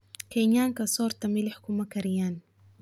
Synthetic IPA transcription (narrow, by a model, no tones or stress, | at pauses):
keɲaŋkasoːɾt̪amilħʊ̥kumakaɾijaːn